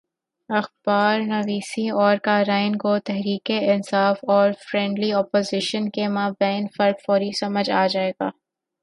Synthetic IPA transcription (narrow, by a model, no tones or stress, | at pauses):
ɐxb̥aːɾnɐʋiːsiɔːɾkaːɾaːɪnkot̪ɛɦɾiːkeɪnsaːfɔːɾfɾɛ̃ːɳɖliɔːpoːzɪʃənkemaːbɛːnfɐɾfɔːɾisɐməd͡ʒaːd͡ʒaːeːɡaː